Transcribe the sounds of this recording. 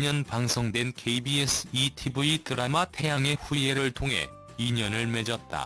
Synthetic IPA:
ɲʌnpaŋsʰʌŋdwe̞nkʰeibies͈ʰɯitʰibuitɯɾamatʰe̞jaŋe̞ɸue̞ɾɾɯɭtʰoŋɦe̞̰ | iɲʌnɯɭme̞d͡ʑʌt̚t͈a̰

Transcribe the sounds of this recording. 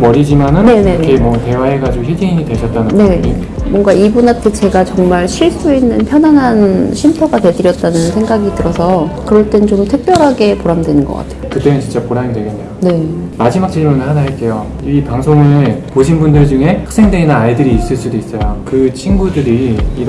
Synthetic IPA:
mʌɾid͡ʑimanɯnnenenʰemwʌte̞wae̞ɡad͡ʑiɡoɕʰid͡ʑiɲidweɕʰʌt̚t͈anɯnne̞ | mwʌŋɡaibunantʰet͡ɕe̞ɡat͡ɕʌŋmaɭɕʰiɭs͈uinːɯnpʰjʌnɦanɦanɕʰimtʰoɡate̞dɯɾjʌt̚t͈anɯnsʰe̞ŋɡaɡitɯɾʌsʰʌkɯɾʌɭt͈ennt͡ɕomtʰɯk̚p͈jʌɾɦaɡe̞poɾamdwenɯnɡʌk͈a̰tʰe̞jokɯt͈emɯnt͡ɕint͡ɕ͈apoɾamidwe̞ɡenːejone̞mad͡ʑimak̚t͡ɕ͈ʰimunɯɭhadaɦɭk͈e̞jo | ipaŋsʰoŋɯpoɕʰinbundɯɭd͡ʑuŋɦe̞hak̚s͈e̞ŋdweinɯnajdɯɾiːs͈ɯɭs͈udois͈ʌjokɯt͡ɕʰinɡudɯɾiːɾ

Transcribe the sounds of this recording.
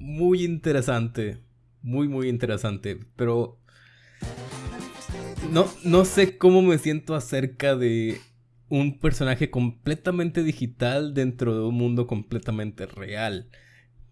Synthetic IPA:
mujint̪e̞ɾesant̪e̞ | mujmujint̪e̞ɾe̞sant̪epeɾo̞ | no̞no̞se̞ko̞mo̞me̞sje̞nt̪o̞ase̞ɾkaðe̞ | umpe̞ɾso̞naxe̞ko̞mple̞t̪amẽnt̪e̞ðixit̪ald̪e̞nt̪ɾo̞ðe̞unmũnd̪o̞ko̞mple̞t̪amẽnt̪erḛal

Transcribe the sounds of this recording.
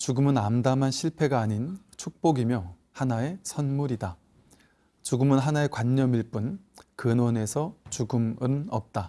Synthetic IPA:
t͡ɕuɡɯmɯnamdamɦanɕʰiɭpʰe̞ɡaːɲint͡ɕʰuk̚p͈oɡimjʌ | hanae̞sʰʌnmuɾida | t͡ɕuɡɯmɯnɦanae̞kwaɲːʌmiɭp͈unkɯnone̞sʰʌt͡ɕuɡɯmɯnʌp̚t͈a

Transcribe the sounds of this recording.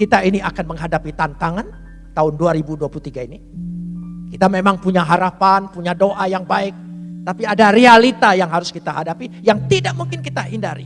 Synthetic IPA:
kit̪ainiakanməŋɦadapit̪ant̪aŋan | t̪aʊnduaɾibuduapulut̪iɡaini | kit̪amemaŋpuɲaɦaɾapanpuɲadoʔajaŋbaɪk̚t̪apiadaɾealit̪ajaŋɦaɾʊskit̪aɦadapijaŋt̪idaʔ̚muŋkɪnkit̪aindaɾḭ

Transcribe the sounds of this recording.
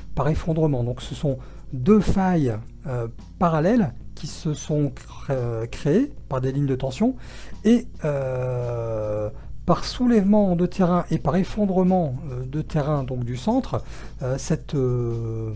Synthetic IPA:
paʁefɔ̃d̪ʁəmɑ̃d̪ɔ̃ksəsɔ̃ | d̪øfajø | paʁalɛlkʲʰisəsɔ̃ | kχeepaʁd̪eliɲd̪ət̪ɑ̃sjɔ̃ | eø | paʁsulɛvmɑ̃d̪ət̪ʰeʁɛ̃ʔepaʁefɔ̃d̪ʁəmɑ̃ød̪ət̪ʰeʁɛ̃d̪ɔ̃kd̪ysɑ̃t̪χ | øsɛt̪ø

